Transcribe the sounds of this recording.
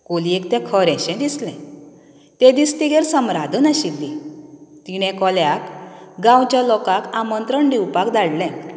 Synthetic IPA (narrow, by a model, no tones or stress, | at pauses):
koliekt̪ɛ̃kʰɔɾɛ̃ɕɛ̃d̪islɛ̃ | t̪ɛ̃d̪ist̪iɡeɾsəmɾad̪ʱənaɕilːit̪iɽ̃ɛ̃kɔljakɡãwt͡ɕjalɔkakamənt̪ɾəɳɖiwpakd̪aɽlɛ̃